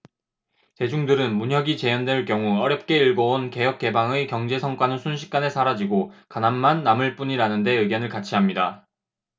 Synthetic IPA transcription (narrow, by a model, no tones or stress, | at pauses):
t͡ɕe̞d͡ʑuŋdɯɾɯnmuɲɦjʌɡit͡ɕe̞jʌndwe̞ɭkjʌŋuʌɾjʌp̚k͈e̞iɭɡʌonke̞jʌk͈̚e̞baŋɯkjʌŋd͡ʑe̞sʰʌŋk͈wanɯnsʰunɕʰi̥k̚k͈ane̞sʰaɾad͡ʑiɡokanammanːamɯɭp͈uɲiɾanɯnde̞ɯɡjʌnɯɭkat͡ɕʰiɦamɲida